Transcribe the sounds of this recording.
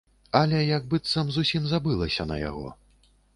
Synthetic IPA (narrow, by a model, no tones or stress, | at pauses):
ɐlʲɛjɐɡbɨt̪sɐmzusʲimzabɨlˠɐsʲɐnɐ̰ja̰ɣɔ̰